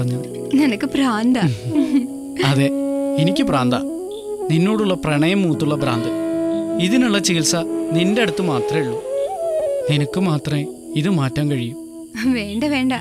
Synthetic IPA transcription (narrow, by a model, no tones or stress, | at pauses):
rɐɲːɐ | nɐnɐkːɨpɾaːnd̪ɐ | ɐðeenikʲːɨpraːnd̪ɐ | ninːo̞ːɽuɭːɐprɐɳɐjɐmːuːt̪ːuɭːɐbɾa̰ːnd̪ɨiðinuɭːɐt͡ɕiɣilsɐnindeɐɽut̪ːɨmaːt̪rɐmiɭːu | ninɐkːɨmaːt̪rɐme | iðɨmaːtːɐːmkɐɻijum | ʋeːɳɖɐʋeːɳɖɐ